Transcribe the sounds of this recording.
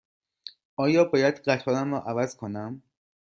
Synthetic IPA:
ʔɒːjɒːbɒːjæd̪ɢæt̪ʰɒːɾæmɾɒːʔævæzkʰonæm

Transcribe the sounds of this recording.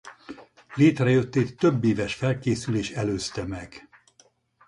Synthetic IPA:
leːt̪rɛjø̞t̪ːeːt̪ːø̞bːeːvɛʃfɛlkeːsyleːʃɛløːst̪ɛmɛɡ̥

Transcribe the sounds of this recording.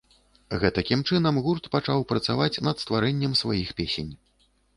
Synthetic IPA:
ɣɛt̪ɐkʲimt͡ʂɨnɐmɣurt̪pat͡ʂawpɾɐt̪savat͡sʲnɐt̪st̪vaɾɛnʲːɛmsvajixpʲesʲenʲ

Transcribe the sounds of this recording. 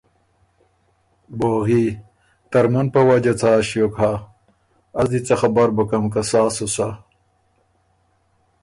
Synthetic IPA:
boɣiː | t̪ɐɾmɐnpɐwad͡ʑat͡sʰaːɕjokɦa | ɐzd̪it͡sɐxabɐɾbɐkɐmkasaːsosa

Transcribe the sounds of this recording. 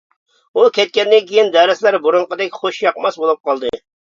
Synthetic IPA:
ukʲʰɛt̪̚kʲɛnd̪ɪnkʲʰijind̪ɛɾɪslæɾbuɾʊɴqəd̪ɛkʲχoʃjɑqmɑsbolˠup̚qɑlˠd̪ɨ

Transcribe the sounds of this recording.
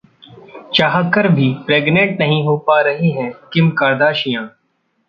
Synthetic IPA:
t͡ʃaɦakəɾbʱiːpɾeːɡnẽɳʈnɐɦĩɦoːpaːɾɐɦiɦɛ̃kɪmkaːɾd̪aːʃijãː

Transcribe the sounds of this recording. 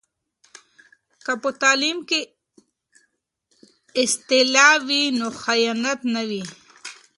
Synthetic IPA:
kapət̪aːlimke | ɪst̪ɪlɑwinoxajanat̪nawi

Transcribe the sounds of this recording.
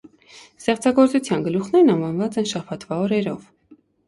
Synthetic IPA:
st̪ɛχt͡sʰɑɡɔɾt͡sut͡sʰjɑnɡəluχnɛɾnɑnvɑnvɑt͡sɛnʃɑpʰɑt̪vɑɔɾɛɾɔv

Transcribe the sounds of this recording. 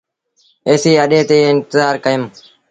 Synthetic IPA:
eːsiːəɗẽːt̪eːɪnt̪əzaːɾkəjəm

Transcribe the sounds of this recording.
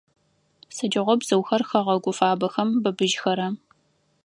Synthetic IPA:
sɐd͡ʒɐʁʷɔbz̥ɐwxɐrxɐʁɐɡʷʊfaːbɐxɐmbɐbɨʒxɐɾɐ

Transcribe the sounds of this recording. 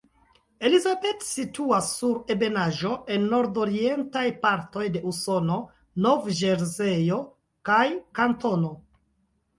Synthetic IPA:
e̞lizabe̞tsituasːuɾe̞be̞naʒo̞ʔe̞nːo̞ɾdo̞ɾie̞ntajpaɾto̞jde̞uso̞no̞ | no̞vʒe̞ɾzejo̞ | kajkanto̞no̞

